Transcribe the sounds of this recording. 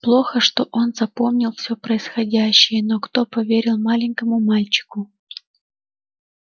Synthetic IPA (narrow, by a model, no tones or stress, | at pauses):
plˠo̞xəʂt̪o̞ʔo̞nzɐpo̞mnʲɪlˠfsʲopɾəɪsxɐdʲæɕːɪjənokt̪o̞pɐvʲeɾʲɪlˠmalʲɪnʲkəmʊmalʲt͡ɕɪ̥kʊ